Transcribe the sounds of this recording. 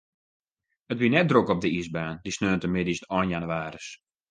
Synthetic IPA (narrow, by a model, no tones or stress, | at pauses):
ətʋinɛt̚drokɔb̚dəizbaːndisnøːntəmɪdisnɔjnjanyaːɾəs